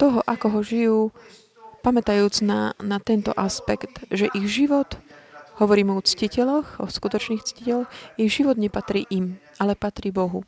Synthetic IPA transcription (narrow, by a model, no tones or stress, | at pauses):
t̪ɔɦɔʔakɔɦɔʒijuː | pamɛt̪ajuːd͡znanat̪ɛnt̪ɔ̰ʔaspɛkt̪ʒɛʔiɣʒiʋɔt̪hɔʋɔɾiːmɛɔt͡scicɛlɔxɔskut̪ɔt͡ʃniːxt͡scicɛlxiɣʒiʋɔd̪ɲɛpat̪ɾḭːʔimʔalɛpat̪ɾiːbɔɦu